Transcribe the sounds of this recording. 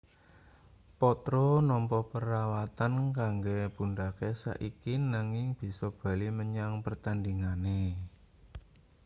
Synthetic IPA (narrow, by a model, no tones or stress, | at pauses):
pɔt̪ɾonɔmpɔpəɾawat̪ankaŋɡeb̥unɖakesa̰ʔikinaŋɪŋb̥i̤sɔb̥ä̤liməɲaŋpərt̪and̪iŋane